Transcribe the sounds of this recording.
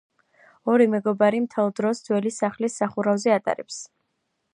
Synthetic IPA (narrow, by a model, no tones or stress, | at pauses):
ɔɾimɛɡɔbaɾimt̪ʰɛlˠd̪ɾɔsd̪zwɛlisaχlisːaχuɾavzɛat̪ʼa̰ɾɛps